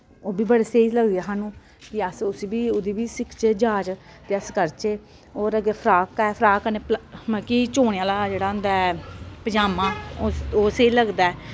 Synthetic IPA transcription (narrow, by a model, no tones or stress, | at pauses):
oːbiːbəɽeːseːiləɡd̪eaɦaːnũː | kɪəsʊsiːbiːʊd̪iːbiːsɪkʰt͡ʃeːd͡ʒaːd͡ʒ | t̪eːəskəɾt͡ʃeː | oːɾəɡeːpʰɾaːkɛːpʰɾaːkəneːplmə̃kiːt͡ʃoːɽ̃eãːlaːd͡ʒeːɽaːʊ̃nd̪aːɛpəd͡ʒaːmãːooːseiləɡd̪aːɛː